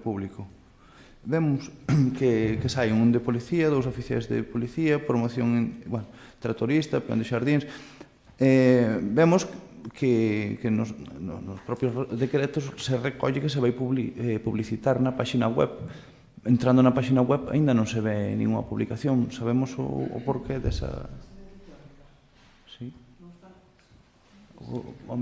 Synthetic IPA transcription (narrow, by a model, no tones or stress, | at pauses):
puβlikʊ | bemʊskekesajuŋũnd̪epoliθiɐðows̬ofiθja̰jzðḛpoliθiɐpɾomoθjoŋwan | t̪ɾat̪oɾist̪ɐpio̰nd̪ɪʃaɾðiŋs | ɛbemʊskʰekenʊsnʊ̰nʊspɾɔpjozðekɾet̪ʊsserekɔ̰ʎɪkes̬eβajuβipuβliθit̪aɾnɐpaʃinɐɣwɛ̰β | ent̪ɾand̪ʊnɐpaʃinɐɣwɛβa̰ĩnd̪ɐnõŋseβɛnḭ̃ŋuŋɐ̰puβlikaθjoŋsaβemʊso̰ʊ̰poɾkeðɛsɐ̰ | si